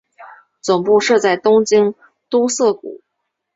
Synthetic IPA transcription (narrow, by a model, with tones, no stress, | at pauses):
t͡sʊ˨˩ŋpu˥˧ʂɤ˥˧t͡sa˥˩ɪt̪ʊ˥ŋt͡ɕi˥ŋ | t̪u˥sɤ˥˩kṵ˨˩˦